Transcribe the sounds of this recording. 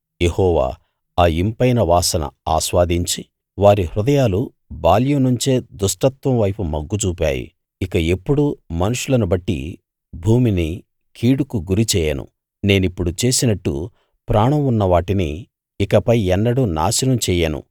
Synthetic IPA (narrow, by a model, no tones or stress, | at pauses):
jehɔːʋa̰ː | aːimpɐjnɐʋaːsɐnɐ̰a̰ːʃʋaːd̪iɲt͡ʃi | ʋaːɾihɾud̪ɐjaːlu | baːljunuɲt͡ʃeːd̪uʂʈɐt̪ʋɐ̃mʋɐjpumɐɡːut͡ʃuːpʲa̰ːjḭ | ikɐe̞pːuɽumɐnuʂulɐnubɐʈːḭ | bʱuːmini | kʰiːɽukuɡuɾit͡ʃɛːjɐnṵ | ne̞ːnipːuɽut͡ʃe̞ːsinɐʈːṵ | pɾaːɳɐmunːɐʋaːʈinḭː | kɐpɐjɛnːɐɽuna̰ːsɐnɐmt͡ʃɛːjɐnṵ